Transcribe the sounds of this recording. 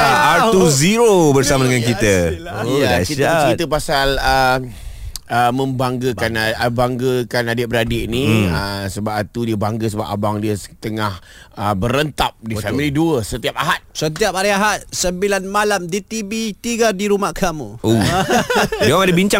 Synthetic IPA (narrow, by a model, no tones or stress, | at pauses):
atuziɾobərsamadəŋankit̪ə | aat͡ʃitat͡ʃit̪əpasalə | əmə̃mbaŋɡəkanabaŋɡəkanadebəɾadiʔniəsəbap̚at̪udiəbaŋɡəs̬əba̰p̚a̰baŋdiəst̪əŋah | əbəɾənt̪ap̚difamiliduəsət̪iap̚aɦat̪̚sət̪iap̚aɾiaɦat̪̚səmbilanmalamdit̪ibit̪iɡadiɾumahkʰamuo | waŋadabiɲt͡ʃa